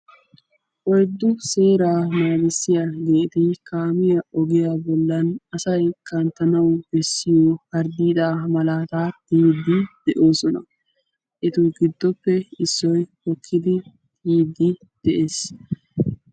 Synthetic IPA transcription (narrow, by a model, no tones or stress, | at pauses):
ʔɔjd̪ːʊse̞ːɾaːmaːɡɪsːɪjaɡe̞ːt̪ɪkaːmɪjɐʔɔɡɪjaːbɔlːɐnɐsɐjkɐnt̪ːɐnɐwbɛsːɪjoːhɐɾd̪iːd̪aːmɐlaːt̪aːt̪iːd̪ːɪd̪̥ɛʔo̞ːsɔnɐ̰ | ʔɛt̪uɡɪd̪ːɔpːɛɪsːɔjhɔkʰːɪd̪ɪ | iːd̪ːɪ | d̪̥ɛʔeːs